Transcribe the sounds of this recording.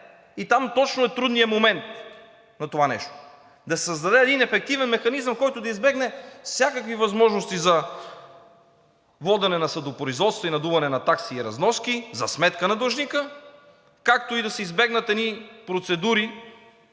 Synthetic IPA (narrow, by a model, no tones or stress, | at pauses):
it̪amt̪ɔt͡ʃnoɛt̪ɾud̪nijəmomɛnt̪ | nɐt̪ovanɛ̰ʃt̪o̥ | d̪ɐsɛ̥səzd̪ɐd̪ɛɛd̪inɛfɛk̚t̪ivɛnmɛxɐnizəmkɔjt̪ʊd̪ɐizbɛɡnɛfsʲjakəkvivɐzmɔʒnost̪izɐ | vɔd̪ɛnɛnɐsɐd̪opɾoizvɔt̪st̪voinɐd̪uvɐnɛnɐt̪aksiɾɐ̰znɔskizɐsmɛt̪kənɐd̪oʒnikə | kakt̪oid̪ɐsɛizbɛɡnət̪ɛd̪nipɾot̪sɛd̪uɾi